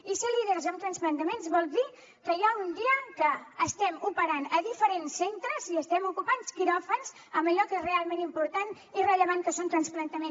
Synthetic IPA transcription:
iseliðeɾzəmt̪ɾənsplənt̪əmenzβɔlˠd̪i | kəjaund̪iəkəːst̪ɛmupəɾanəðifəɾensːent̪ɾəziəst̪ɛmukupanskiɾɔfənz | əməʎɔkezrealˠmenimpuɾt̪an | irəʎəβ̞aŋkəsont̪ɾənsplənt̪əmen

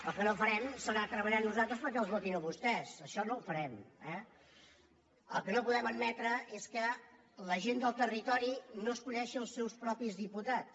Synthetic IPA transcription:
əlˠkənoufəɾɛmsənat̪ɾəβəʎanuzalˠt̪ɾəspəɾkɛəlˠzβot̪inəβust̪ɛsəʃɔnoufəɾɛmɛ | əlˠkənopuðɛməd̪mɛt̪ɾəʔeskə | ləʒend̪əlˠt̪ərit̪ɔɾinoəskunɛʃiəlˠsːɛwspɾɔpizðiput̪at͡s

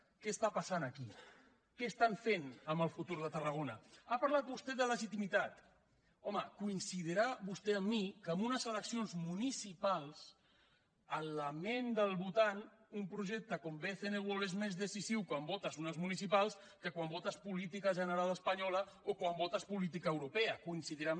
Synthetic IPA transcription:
kɛəst̪apasanəki | kɛːst̪aɱfenəmbəlˠfut̪uɾðət̪ərəɣ̞onɐapaɾlat̪̚bust̪ɛðələʒit̪imit̪at̪ | ɔməkuinsið̞iɾaβust̪eəmːikəmunəzələksionzmunisipalˠs | ələmend̪əlˠβut̪anumpɾuʒɛk̚t̪əkombeθeneɣolezmezðəsisiwkwambɔt̪əzunəzmunisipalˠs | kəkwambɔt̪əspulit̪ikəʒənəɾaləspəɲɔlə | okwambɔt̪əspulit̪̬ikaəwɾupeəkuinsiðiɾa

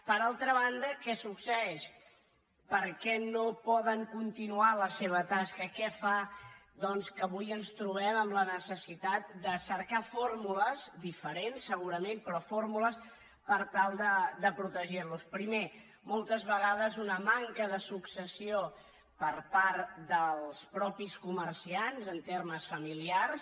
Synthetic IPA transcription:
pəɾalˠt̪ɾəβ̞and̪əkɛsuksəɛʃ | pəɾkɛnopɔðəŋkunt̪inualəseβ̞ət̪askəkɛfa | ðɔnskəβujənst̪ɾuβ̞ɛməmlənəsəsit̪at̪̚d̪əsəɾkafoɾmuləzd̪ifəɾensːəɣ̞uɾəmempɾɔfoɾmuləs | pəɾt̪alˠd̪əd̪əpɾut̪əʒirluspɾime | molˠt̪əzβəɣaðəzunəmaŋkəðəsuksəsio | pəɾpaɾt̪d̪əlˠspɾɔpiskumərsianzənt̪erməsfəmiliars

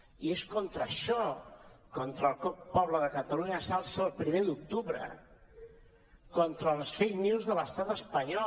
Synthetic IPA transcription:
ieskɔnt̪ɾəʃɔkɔnt̪ɾəlˠkɔpːɔβləðəkət̪əluɲəsalˠsəːlˠpɾimed̪uk̚t̪uβɾə̰ | kɔnt̪ɾəːlsfejniwzðələst̪at̪əspəɲɔ

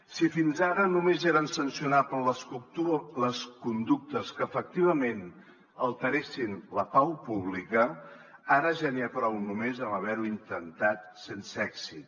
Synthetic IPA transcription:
sifinzaɾənumezeɾənsənsiunapənləskut̪uləskund̪uk̚t̪əskəːfək̚t̪iβ̞əmen | əlˠt̪əɾesinləpawpuβlikə | aɾəʒaniəpɾɔwnumezəməβɛɾuint̪ənt̪at̪̚sensəɛksit̪

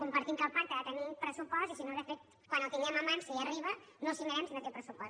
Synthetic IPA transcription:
kumpəɾt̪iŋkapːant̪əːt̪ənipɾəsupɔst̪isinoðəfet̪̚ | kwanəlˠt̪iŋɡɛməmansəiəriβə | nosiməɾɛmsinək̪ɛpɾəsupɔs

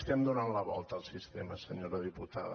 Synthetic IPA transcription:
t̪iamd̪uɾanlaβɔ̰lt̪aːlsist̪ɛmasəɲoɾaðiput̪a̰ð

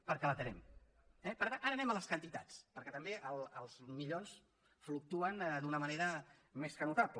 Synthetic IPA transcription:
pəɾkɛlət̪ənɛ̰m | ɛpəɾt̪anaɾənɛmələskənt̪it̪a̰t͡spəɾkɛt̪əmbeʔəlˠəlˠzmiʎons | fluk̚t̪uənd̪unəməneɾəmeskənut̪aplə

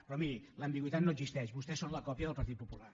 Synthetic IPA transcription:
pɾɔmiɾiləmbiɣwit̪at̪noəɡzist̪ɛʃβust̪ɛsːonləkɔpjəðəlˠpəɾt̪̬it̪̚pupula̰

